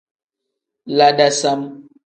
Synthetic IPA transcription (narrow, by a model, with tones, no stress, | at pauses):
la˨ɖa˨sa˦m